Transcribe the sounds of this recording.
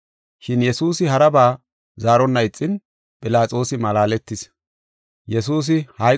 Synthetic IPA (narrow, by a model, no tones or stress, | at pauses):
ʃɪnjɛsuːsɪɦɐɾɐbaː | zaːɾɔnːɐɪt͡sʼːɪn | pʼɪlaːt͡sʼo̞ːsɪmɐlaːlɛt̪ːɪs | jɛsuːs̬ɪhɐ